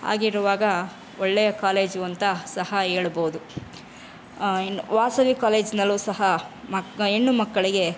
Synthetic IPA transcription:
a̰ːɡiɾuʋaːɡɐ | ɔɭːejɐkaːle̞ːd͡ʒuɐnt̪ɐsɐhɐeːɭuboːud̪u | ʋaːsɐʋikaːle̞ːd͡ʒnɐlːuːsɐɦɐmɐenːumɐkːɐɭiɡe̞

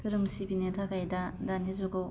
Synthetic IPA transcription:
tʰɯɾɯmsibinetʰakajdadanizɔɡow

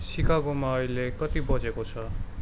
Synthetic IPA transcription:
sikʰaɡomaʌilekʌt̪ibʌd͡zekot͡sʰʌ

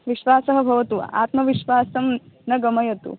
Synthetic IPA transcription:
ʋiɕʋaːsɐɦɐbʱɐʋɐt̪uʋ̰ʔa̰ːt̪mɐʋiɕʋaːsɐmnɐɡɐmɐjɐt̪ṵː

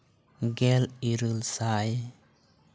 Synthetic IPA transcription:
ɡɛliɾɯlsaj

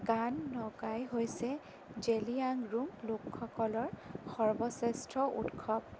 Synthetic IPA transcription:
ɡanːɔɡajɦojsɛ | d͡ʒeliaŋɹumlokʰːɔkɔlɔɹxɔɹbɔsɛstɹɔʔṵtkʰɔb̚

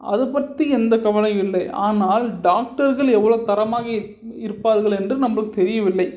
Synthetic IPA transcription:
ʔɐ̰ðɯpɐʈ̪ːiɛnd̪ɐkɐʋɐlɐ̃ɪlːɐɪʔa̰ːnaːlɖaːk̚ʈɐɾɣɐɭɛʋːɐɭoːt̪ɐɾɐmaːɣɐ | ɪɾɯpːaːɾɣɐɭɛndrɯnɐmːɐɭɯkːɯt̪ɛɾɪjɐʋɪlːɐɪ

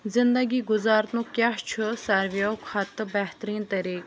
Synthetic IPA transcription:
zɪnd̪əɡiːɡʊzaːɾt̪ũːkʲaɦt͡ʃʰɨsɐɾʋeokʰat̪ɨbɐɦt̪ɾiːnt̪ɐɾiːk

